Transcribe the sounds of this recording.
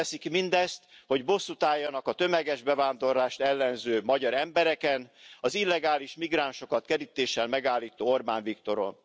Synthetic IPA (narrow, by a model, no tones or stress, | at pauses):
ɛsikmind̪ɛst̪ho̞ɟbo̞sːut̪aːjːɒnɒkɒt̪ø̞mɛɡɛʒbɛvaːnd̪o̞rlaːʃt̪ɛlːɛnzøːmɒɟɒɾɛmbɛɾɛkɛnɒzilːɛɡaːliʃmiɡraːnʃo̞kɒt̪kɛɾit̪eːʃɛlmɛɡaːlːiːt̪oːorbaːɱvikt̪o̞ɾo̞̰n